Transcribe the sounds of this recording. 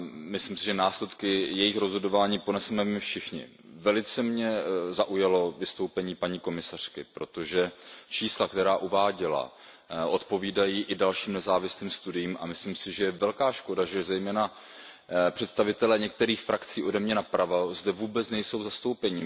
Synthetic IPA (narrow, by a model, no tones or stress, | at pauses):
mɪslɪmsɪʒɛnaːslɛt̪kɪjɛjɪxɾo̞zɦo̞do̞vaːɲiːpo̞nɛsɛmɛmɪfʃɪxɲɪ̰ | vɛlɪt͡sɛmɲɛzaʔujalo̞vɪst̪o̞wpɛɲiːpaɲiːko̞mɪsar̝̥kɪpɾo̞t̪o̞ʒɛt͡ʃiːslakt̪ɛɾaːʔuvaːɟɪla̰ | ʔo̞t̪po̞viːdajiːʔɪdalʃiːmnɛzaːvɪsliːmst̪udɪjiːmʔa̰mɪslimsɪʒɛjɛvɛlkaːʃko̞daʒɛzɛjmɛːna | pr̥ɛt̪st̪avɪt̪ɛlɛːɲɛk̚t̪ɛɾiːxfɾakt͡siːʔo̞dɛmɲɛnapɾavazdɛvuːbɛt͡snɛjso̞wzast̪o̞wpɛɲiː